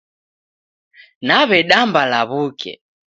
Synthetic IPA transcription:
naβɛɗambalaβukɛ̰

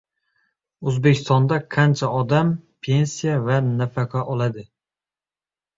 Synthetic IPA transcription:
ɵzbekʲʰɪ̥st̪ɒnd̪aqʰant͡ʃʰaɒd̪ampʰe̞nsijavanafaqʰɑʔɒlˠad̪ɪ

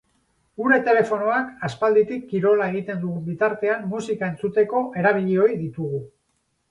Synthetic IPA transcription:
uɾe̞t̪e̞le̞fo̞no̞akaspald̪it̪ikːiɾo̞lae̞ɣ̞it̪e̞nd̪uɣumbit̪aɾt̪e̞amːusikae̞nt͡sut̪e̞ko̞ʔe̞ɾaβ̞iʎio̞iðit̪uɣ̞u

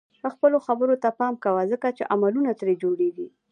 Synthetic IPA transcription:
əxpəloxabəɾot̪apɑmkawazəkat͡ʃeʔamalunat̪ɾed͡ʒoɽeɡi

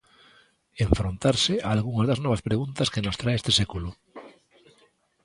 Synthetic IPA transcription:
eɱfɾõnt̪aɾseaːlɣuŋazðaznoβ̞aspɾeɣ̞unt̪askenost̪ɾaeest̪esekulo

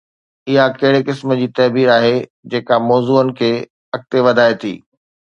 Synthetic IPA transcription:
ɪɦakɐɦɪɽekɪsmə̆d͡ʑiːt̪ɐɦbiːɾaːɦe | d͡ʑeːkamɔːzuːənɪ̆kʰeː | ɐk̚t̪eʋɐd̪ʱaːet̪ʰḭː

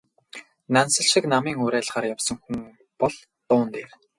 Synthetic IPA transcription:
nansə̆ɮʃĭknamiːŋʊɾæːɮʁaːɾjawsɞ̆ŋxuŋ | pɔɮ | t̪ʊːnt̪eːr

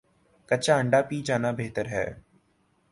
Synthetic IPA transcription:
kɐtːt͡ʃaːə̃ɳɖapiːt͡ʃaːnabeːt̪əɾɦɛ̰ː

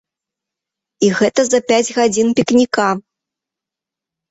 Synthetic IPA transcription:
iɣɛt̪ɐzɐpʲad͡zʲɣad͡zʲinpʲiknʲika

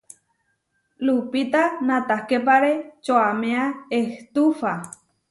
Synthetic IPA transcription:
lupit̪anãt̪ahkep̬aɾet͡ʃoamẽaeht̪ufa

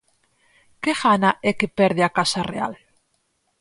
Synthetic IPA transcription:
keɣanaʔɛkepɛɾðeakasarea̰l

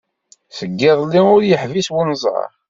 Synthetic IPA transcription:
səɡːɪðˤlːiʊɾjəħviswunzˤɑ̰ɾˤ

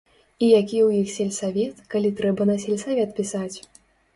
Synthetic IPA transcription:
ijakʲijwjixsʲɛlʲsavʲɛt̪kalʲit̪ɾɛbɐnɐsʲɛlʲsavʲɛt̪̚pʲisat͡sʲ

